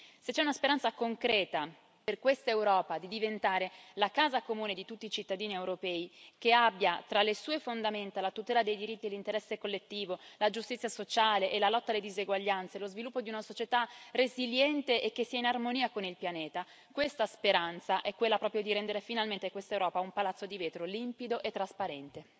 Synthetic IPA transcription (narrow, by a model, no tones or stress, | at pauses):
set͡ʃːɛunaspeɾant̪sakoŋkɾɛːt̪a | perkwest̪aewɾɔːpad̪id̪ivent̪aːɾelakaːzakomuːned̪it̪ut̪ːiːt͡ʃit̪ːad̪iːniewɾopɛːikeabːjat̪ɾalːesuːefond̪ament̪alat̪ut̪ɛːlad̪ejd̪iɾit̪ːielːint̪eɾɛsːekolːet̪ːiːvolad͡ʒust̪it̪sjasot͡ʃaːleʔelalɔt̪ːalːed̪izeɡwaʎːant̪selozvilupːod̪iunasot͡ʃet̪areziljɛnt̪eʔekːesːiːainarmoniːakonilpjaneːt̪a | kwest̪aspeɾant̪saʔɛkːwelːapɾɔːpɾjod̪iɾɛnd̪eɾefinalment̪ekwest̪aewɾɔːpaumpalat̪sːod̪iveːt̪ɾolimpid̪oʔet̪ːɾaspaɾɛnt̪e